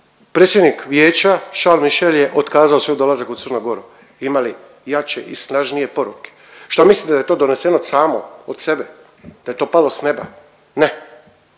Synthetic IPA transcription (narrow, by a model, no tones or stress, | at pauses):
pɾeːt̪sʲjed̪nikʋjeːt͡ɕaʃalmiʃeljeʔot̪kaːzaosojd̪o̞lazakut̪sɨɾnoɡo̞ɾu | imali | jat͡ʃe̞̰ʔisnaʒnije̞po̞ɾuke̥ | ʃt̪amislit̪d̪ajet̪od̪one̞se̞nosaːmood̪se̞be | d̪̥aje̞t̪o̞ːpalo̞sne̞ba̰ | ne